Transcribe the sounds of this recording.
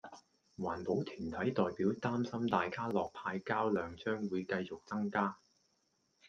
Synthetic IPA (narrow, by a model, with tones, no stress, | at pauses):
waː˨˩npo˨˥wt̪ʰyː˨˩nt̪ʰɐ˨˥jt̪ɔː˨jpiː˨˥wt̪aː˥msɐ˥mt̪aː˨jkaː˥lɔː˨k̚pʰaː˧jkaː˥wlœː˨˧ŋt͡ʃœː˥ŋwuː˨˧jkɐ˧jt͡sʊ˨k̚t͡sɐ˥ŋkaː˥